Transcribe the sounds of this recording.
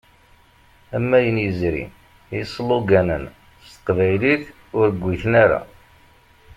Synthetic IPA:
æmːæjənjəzɾḭ | isˤːlːuɡænən | st̪ə̥qvæjliθ | ʊɾəɡʷːiθnaɾa̰

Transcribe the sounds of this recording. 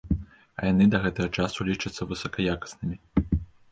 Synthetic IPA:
ɐ̰janɨd̪ɐɣɛt̪ɐɣɐt͡ʂasulʲit͡ʂɐt̪sːɐvɨsɐkɐjakɐ̥snɨmʲi

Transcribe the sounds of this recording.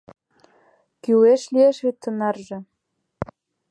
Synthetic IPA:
kyweʃlieʃet̪ːə̆nɑrʒɤ̆

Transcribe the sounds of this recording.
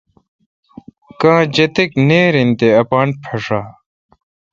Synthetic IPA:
kãːd͡ʑɐt̪ekneːɾint̪eɐpaːnpʰɐʂaː

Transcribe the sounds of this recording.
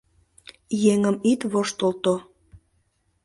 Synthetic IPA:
jeŋəmit̪βoʃt̪olt̪o

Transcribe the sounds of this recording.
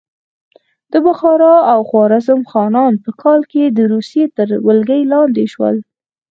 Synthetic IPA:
d̪̥əbʊxɑɾɑawxwɑɾazəmxɑnɑnpəkʰɑlked̪əɾusjet̪əɾwəlɡəjlɑnd̪eʃwə̰l

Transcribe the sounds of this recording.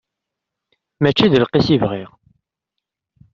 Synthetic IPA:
mæt͡ʃːiðəlqisivʁiʁ

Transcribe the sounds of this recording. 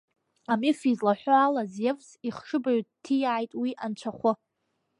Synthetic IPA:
amifizlaħʷaalazjevsiχʂɨbaɥtʰijaʕajtʼwiʔant͡ɕʷʰaχʷʊ

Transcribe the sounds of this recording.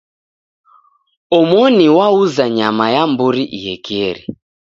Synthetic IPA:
ɔmɔniwauzaɲamajambuɾiʔijɛkiɛɾi

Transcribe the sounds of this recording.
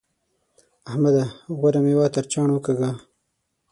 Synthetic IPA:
ahmad̪aɣwaɾamewɑt̪aɾt͡ʃɑːɳwəkaɡa

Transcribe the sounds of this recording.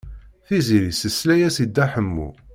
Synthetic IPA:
θiziɾisəslæjæsid̪ːæħəmːṵ

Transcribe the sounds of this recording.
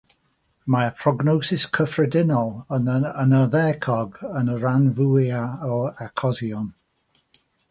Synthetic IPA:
mapʰɹ̥ɔɡnowsɪskʰəfrɛdɪnɔlˠənəənəðɛːkʰɔɡənəɹanvujaɔakʰɔzjɔn

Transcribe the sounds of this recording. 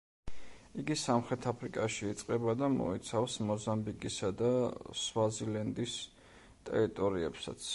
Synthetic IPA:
iɡisamχɾɛt̪ʰapʰɾikʼaʃiːt̪sʼqʼɛbad̪amɔ̰it̪sʰafsmɔzambikʼisad̪aswazilɛnd̪is | t̪ʼɛ̰ɾit̪ʼɔɾiɛpsa̰t̪sʰ

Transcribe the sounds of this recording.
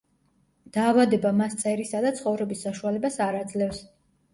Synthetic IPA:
d̪̥aːvad̪ɛbamast̪sʼɛɾisad̪at̪sʰχɔvɾɛbisːaʃualɛbasaɾad̪zlɛfs

